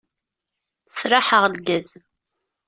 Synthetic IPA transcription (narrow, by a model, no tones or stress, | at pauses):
sɾaħəʁlɡæz